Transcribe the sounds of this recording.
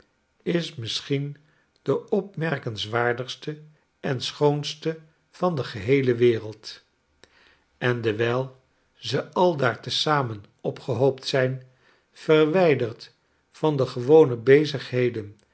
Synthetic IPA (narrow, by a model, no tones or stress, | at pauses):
ɪsmɪsχin | d̥əɔp̚mɛɹkənzʋaːɹdəχstə | ʔɛnsχownstə | v̥ɑndəχəɦejləʋɪːʁəlˠt | ɛndəʋɛjlˠ | zəɑlˠdaːɹtəsaːmən | ɔpχəɦowptsɛjn | fərʋɛjdərt | fɑndəχəʋownəbejzəχɦejdən